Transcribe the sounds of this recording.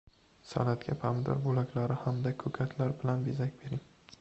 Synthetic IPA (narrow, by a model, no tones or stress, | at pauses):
sa̰lat̪ɡʲapʰamd̪ɒ̰ɾbolakʲʰlaɾɪhamd̪akʰɵkʲʰat̪ʰlaɾbɪlanbezakʲbe̞ɾɪŋ